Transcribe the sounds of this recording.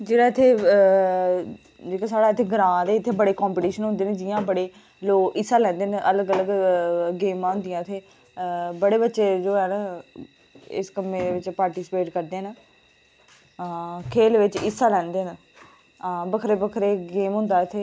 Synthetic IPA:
d͡ʒeːɽaːɪt̪ʰeː | d͡ʒeːkaːsaːɽaːɪt̪ʰeːɡəɾãːd̪eːɪt̪ʰːeːbəɽeːkɔːmpiːʈiːʃənʊ̃nd̪eːneːd͡ʒɪjãːbəɽeː | loːɪsːaːlɛ̃ːnd̪eːnʔələɡələɡɡeːmãːɦʊ̃nd̪ɪjãːɪt̪ʰeː | bəɽeːbətːʃeːd͡ʒoːɛːnː | ɪ̰skəmːẽːeʋɪt͡ʃpaːɾʈiːspeːʈkəɾd̪eːnaː | kʰeːlʋɪt͡ʃɪsːaːlɛ̃ːnd̪eːn | bəkʰɾeːbəkʰɾeːɡeːmɦʊ̃nd̪aːɪt̪ʰeː

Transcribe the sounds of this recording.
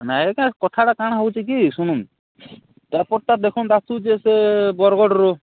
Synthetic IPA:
naekakɔt̪ʰaɽakaɽ̃aɦowt͡ʃʰik̬isuɽ̃um | t̪apɔɾt̪ad̪ekʰɔnd̪at̪ud͡ʒesebɔɾɡɔɽɔɾo

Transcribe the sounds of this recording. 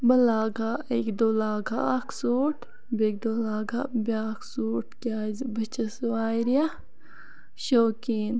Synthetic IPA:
bɐlaːɡaekd̪oːlaːɡakʰsuːʈʰ | bek̚d̪oːlaːɡabʲaːksuːʈkʲaːzibɐt͡ʃɐswaːɾiɐ | ʃoːkiːn

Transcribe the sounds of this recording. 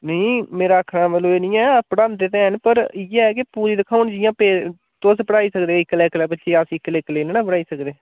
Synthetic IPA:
nəĩːmeːɾaːəkʰɾãːməloːeːnĩːɛːpəɽaːnd̪eːt̪ɛ̃ːɦnpəɾɪːɛːk̬ɪpuːɾiːd̪ɪkʰaːʊnd͡ʒɪjãːpeː | t̪oːspəɽaːiːsəkd̪eːɪkːlɛːkəlɛːbəʃeːaːsĩːkːəleːkəleːneːnãːpəɽaːiːsəkd̪eː

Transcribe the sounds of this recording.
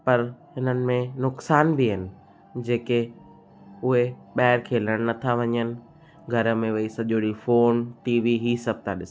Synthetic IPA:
pɐɾɦɪnənɪ̆mẽnʊksaːnbɪɦɪnɪ̆ | d͡ʑeːke | ʊɦeɓaɦɪɾkʰeːlɐɽ̃nɐt̪ʰaʋɐɲənɪ̆ | ɡʱɐɾə̆mẽʋɐisɐʄoːɽifoːnʈiːʋiɦiːsɐb̚ʱt̪ʰaɗɪs

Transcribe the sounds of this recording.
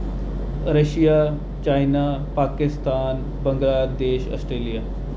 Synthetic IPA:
ɾəʃijaː | t͡ʃaːjnapaːkɪst̪aːn | bəŋɡɾaːd̪eːʃə̰sʈɾeːlijaː

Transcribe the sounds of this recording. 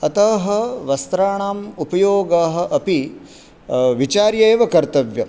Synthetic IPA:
ɐt̪ɐɦɐ̆ʋɐst̪ɾaːɳaːmupɐjoːɡaːɦɐ̆ʔɐpi | ʋit͡ʃaːɾjeːʋɐkɐɾt̪ɐʋjɐ

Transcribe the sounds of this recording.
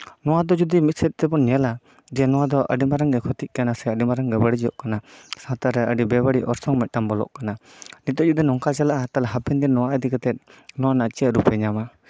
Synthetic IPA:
nɔwad̪ɔd͡ʒud̪imit̪̚sɛt̪̚ˀt̪ɛbɔnɛala | d͡ʒɛnɔwad̪ɔʔə̰ɖimaɾaŋɡɛkʰɔt̪it̪̚kanasɛəɖimaɾaŋɡɛbəɽid͡ʒijɔʔkanasãt̪aɾɛəɖibɛbəɽiʔɔɾsɔŋmɛt̪̚ˀʈambɔlɔ̰ʔkananit̪ɔd͡ʒud̪ɛnɔŋkat͡ʃalaʔat̪alaɦapind̪inːɔwaʔəd̪ikat̪ɛt̪̚nɔwanat͡ʃiəɾupɛɲama

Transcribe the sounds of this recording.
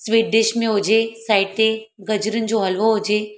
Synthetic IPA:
sʋiːʈ̚ɖɪʃmẽɦʊd͡ʑesaːɪʈe | ɡɐd͡ʑɾənɪ̆d͡ʑoɦɐlʋoɦʊd͡ʑe

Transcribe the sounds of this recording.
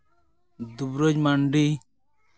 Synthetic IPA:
d̪ubɾɔd͡ʒmaɳɖi

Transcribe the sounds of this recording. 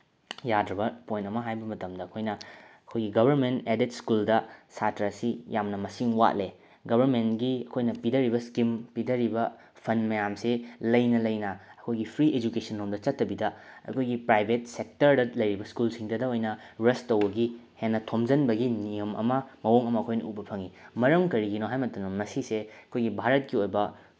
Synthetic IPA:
jadɾɐbɐpojntɐmɐɦajbɐmɐtɐmdɐɐkʰojnɐɐkʰojɡiɡɐbʱɐɾmenteditskuldɐsatɾɐsijamnɐmɐsiŋwa̰t̚le | ɡɐbʱɐɾmentɡiɐkʰojnɐpidɐɾibɐskimpidɐɾibɐ | pʰɐnmɐjamselɐjnɐlɐjnɐɐkʰojɡipʰɾiʔed͡ʒukesɐnːomdɐt͡ʃɐtːɐbidɐɐ̰kʰojɡipɾajbʱet̚sek̚tɐɾdɐlɐjɾibɐskulsiŋdɐdɐojnɐ | ɾestːɐwbɐɡihenːɐtʰomd͡ʒɐnbɐɡinijɐmʔɐ̰mɐmɐwoŋɐmɐːkʰojnɐubɐpʰɐŋimɐɾɐmkɐɾiɡinoɦajmɐtɐnomɐsiseɐkʰojɡibʱaɾɐt̚kiojbɐ

